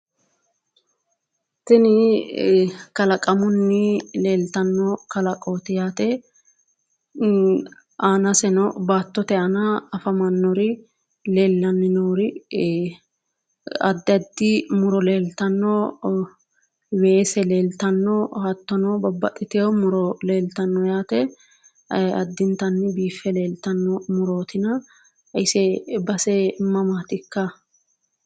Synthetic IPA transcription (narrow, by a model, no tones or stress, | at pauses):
sɪnɪ | kɐlɐkʼɐmʊnːɪle̞ːlt̪ɐnːɔkɐlɐkʼoːt̪ɪjaːt̪ɛ | aːnɐsɛnɔbaːt̪ːɔt̪ɛɐnɐɐfɐmɐnːɔɾɪ | leːlːɐnːɪnoːɾɪ | ɐ̰d̪ːɪɐd̪ːɪmʊɾɔleːlt̪ɐnːɔ | weːsɛle̞ːlt̪ɐnːɔhɐt̪ːɔnɔbɐbːɐ̰t̪ʼːɪt̪ɪjɔmʊɾɔle̞ːlt̪ɐnːɔjaːt̪ɛ | ɐd̪ːɪnt̪ɐnːɪbiːfːɛleːlt̪ɐnːɔmʊɾoːt̪ɪnɐ | ʔɪsɛbɐsɛmɐmaːt̪ɪkːɐ